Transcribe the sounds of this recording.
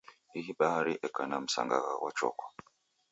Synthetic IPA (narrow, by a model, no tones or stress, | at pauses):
iɦiɓahaɾiʔɛkanam̩sa̰ŋɡaɣawat͡ʃɔ̰kɔ̥